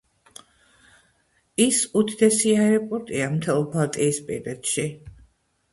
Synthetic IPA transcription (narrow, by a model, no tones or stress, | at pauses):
isut̪ʰd̪ɛsiaɾɛpʼɔɾt̪ʼiamt̪ʰɛlˠbat̪ʼiːspʼḭɾd̪ɛt̪ʃi